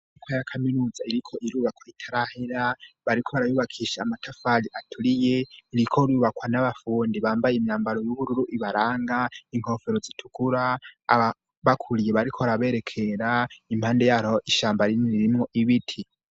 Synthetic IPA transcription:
ikʰojakʰaminuːzaiɾikʰo̞ʔiɾuːβakwaitʰaɾahiɾaβaɾikʰoβaɾajuβakʰiʃaːmatʰafaliʔatʰuɾije̞iɾikʰoɾuːβakwanaβafuːndiβaːmbajeimɲaːmbaɾo̞juβuɾuɾuʔiβaɾaːŋɡaiŋ̥ho̞fe̞ɾozitʰu̥kuɾaaβa | βakʰuɾijeβaɾikʰoβaɾaβe̞ːɾe̞kʰe̞ɾaim̥haːnde̞jaɾoʔiʃaːmbaɾiniɾimŋo̞ʔiβitʰi

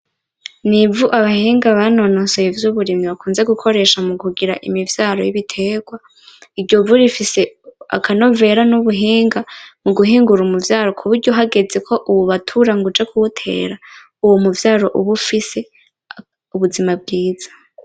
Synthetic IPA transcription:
nivuʔaβahiːŋɡaβano̞no̞sejevjuβuɾimiβakuːnze̞ɡukʰo̞ɾe̞ʃamuɡuɡiɾa̰ʔḭmivjaːɾo̞jiβitʰe̞ːɡ̥wa | iɾɟo̞vuɾifise̞a̰kʰano̞ve̞ɾanuβuɦiːŋɡamuɡuɦiːŋɡuɾumuvjaːɾo̞kʰuβuɾɟo̞ɦaɡe̞d͡ze̞kʰo̞ʔuβuβatʰuɾaŋɡud͡ʒekʰuβutʰe̞̰ːɾa | uwomuvjaːɾo̞ʔuβufise̞ | uβuzimab̚ɡiːz̥ḁ

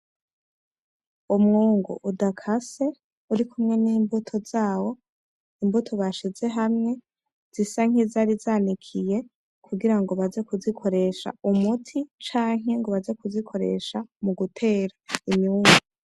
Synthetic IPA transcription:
umŋuːŋɡṵʔudakʰase̞ | uɾikumŋe̞niːmbutʰo̞zaːwo̞ | imbutʰo̞βaʃize̞ɦamŋe̞ | z̥isaŋ̥izaɾizaːnikʰije̞ | kʰuɡiɾaŋɡoβaze̞kuzikʰo̞ɾe̞ʃa̰umutʰit͡ʃaːŋ̥e̞ŋɡoβaze̞kuzikʰo̞ɾe̞̰ʃamuɡutʰe̞ːɾaimɲuːŋɡu

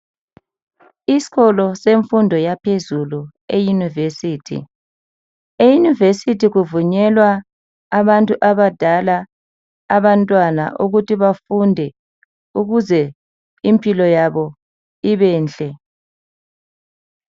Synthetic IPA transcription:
isi̥ɣɔlɔseɱfundʱɔjapʰezulu | ejunivesiːtʰḭ | ejunivesitʰiɣuvuɲɛlwaː | βantʼuʔaβad̥ʱalaː | βantʼwana̰ʔuɣutʰiβafundʱɛ | uɣuzɛ | impʼilɔjaβɔ | iβɛːnt͡ɬʼɛ

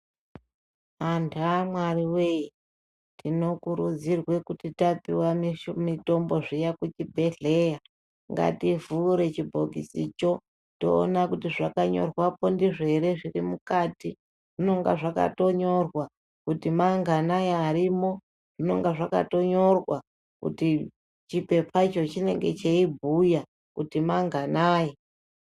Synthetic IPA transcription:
andamwariwei | tino̞kuɾud͡zirwe̞kutitapiwamimito̞mbo̞ʐijakut͡ʃibʱe̞ɮe̞ja | ŋɡa̰tivuːɾe̞t͡ʃibʱoɡisit͡ʃo̞ | to̞̰ːnakutiʐakaɲo̞̰rwapo̞ndiʐeɾe̞ʐirimukati | ʐ̥ino̞ŋɡa̰ʐaka̰to̞ɲo̞rwa | kutimaŋɡʱanajiaɾimo̞ | ʐ̥ino̞ŋɡaʐaka̰to̞ɲo̞rwa | kṵti | t͡ʃipe̞pʰait͡ʃo̞t͡ʃine̞̰ŋɡe̞̰t͡ʃeibʱuja | kutimaŋɡʱanaːji

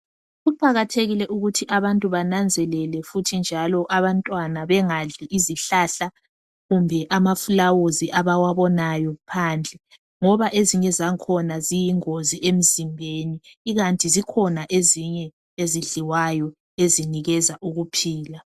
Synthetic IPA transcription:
ɣupʰʼaɣatʰeɣilɛʔuɣutʰiʔaβantʼuβanand͡zʱɛlɛlɛfutʰind͡ʒʱalɔʔaβantʼwanaβɛŋaɮiʔiziɬaɬa | ɣumbʱɛʔamafulawoziʔaβawaβɔnajɔpʰaːnd͡ɮʱɛ | ŋɔβaʔeziɲɛzaŋkʰɔnazijiŋoziʔem̩zimbʱeniːɣantʼizikʰɔnaʔeziɲɛ | eziɮiwajɔ | eziniɣɛzaʔuɣupʰiːla

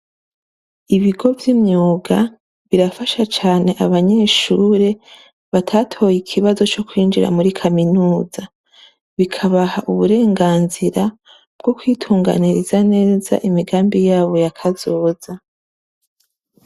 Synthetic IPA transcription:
iβiɡo̞vjimɲuːɡa | βiɾafaʃat͡ʃaːne̞ʔaβaɲe̞ʃuːɾe̞ | βatʰaːtʰo̞jikʰiβazo̞t͡ʃo̞kwiːnd͡ʒiɾa̰muɾikʰaminuːz̥a | βikʰaβahaʔuβuɾe̞ːŋɡaːnziɾa | b̥̚ɡ̥o̞kwiːtʰuːŋɡa̰niɾizane̞ːza̰ʔimiɡaːmbijaːβo̞jakʰazoːz̥a

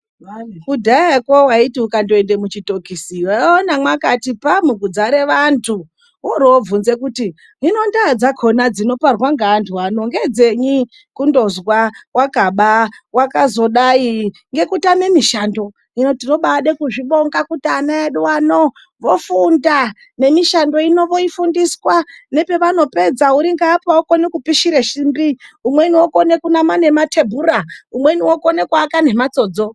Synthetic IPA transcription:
kudʱaekowaitiukandoende̞mut͡ʃito̞kisiwaonamwakatipamukud͡zaɾe̞ʋantʰu | woɾoːvunze̞kuti | ino̞ndad͡zakʰo̞nad͡zino̞parwaŋɡantʰuwano̞ŋɡe̞d͡ze̞ɲi | kundo̞zwawakaɓawakazo̞ɗai | ŋɡe̞kutame̞miʃando̞ | ino̞tiro̞ɓaɗekuʐiɓo̞ŋɡakutːnaeɗuwano | ʋofunda | ne̞miʃando̞ino̞ʋo̞ifundiskwane̞pe̞ʋano̞pe̞d͡zauɾiŋɡaːpaoko̞nekupiʃiɾeʃimbiumwe̞niwoko̞ne̞kunamane̞matʰe̞bʱuɾaumwe̞niwokone̞kwaːkane̞mat͡so̞ːd͡zo̞

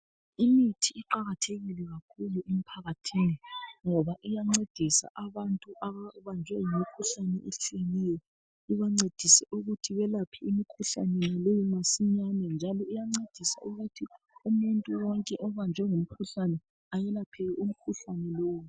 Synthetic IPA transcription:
imitʰiːǃaɣatʰeɣilɛɣakʰuluʔem̩pʰaɣatʰiːniŋɔβaʔijaŋ͡ǀed̥ʱisa̰ʔaβantʼuʔaβaβand͡ʒʱwɛjimikʰuɬanɛʔet͡ʃʰʼijɛnɛjɔ | iβaŋ͡ǀed̥ʱisɛʔuɣutʰiβɛlapʰiːmikʰuɬa̰nɛnalejimasiɲanɛnd͡ʒʱalɔijaŋ͡ǀed̥ʱisa̰uɣutʰi | umuntʼuwɔŋkʼɛʔɔβand͡ʒʱwɛŋum̩kʰuɬanɛ | ajɛlapʰɛɛum̩kʰuɬanɛlɔːwu

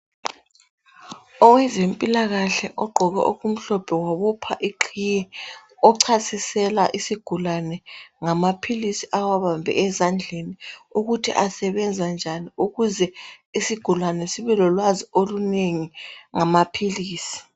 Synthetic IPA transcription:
ɔwɛzempʼilaɣaɬɛʔɔɡ͡ǃʱɔɣɛ̰ʔuɣum̩ɬɔb̥ʰʱɛwaβɔpʰaʔiǃʰijɛɔǀʰasisɛla̰ʔisiɡ̥ʱulanɛŋamapʰilisiʔawaβambʱɛ̰ʔɛzand͡ɮʱeniuɣutʰḭʔasɛβɛnd͡zʱand͡ʒʱaniuɣuzɛisiɡ̥ʱulanɛsiβɛlɔlwazioluneŋiŋamapʰiliːsi̥

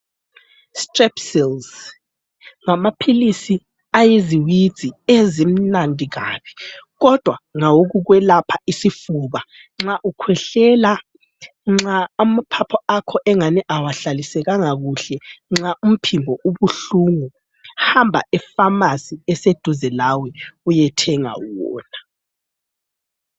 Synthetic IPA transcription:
strɛpsilz | ŋamapʰilisi | ajiziwid̥z̥ʱiezim̩nandʱiɣa̰ːβʰi̥ɣɔd̥ʱwaŋawoɣuɣwɛlapʰaisifuβa | ŋ͡ǁaʔukʰwɛɬɛla | ŋ͡ǁaːmapʰapʰɔakʰɔʔɛŋanɛʔawaɬalisɛɣaŋaɣuɬɛŋ͡ǁaʔum̩pʰimbʱɔʔuβuɬuŋu | hambʱa̰ɛfamasiɛsed̥ʱuzɛlawɛujɛtʰɛŋa̰wɔ̰ːna

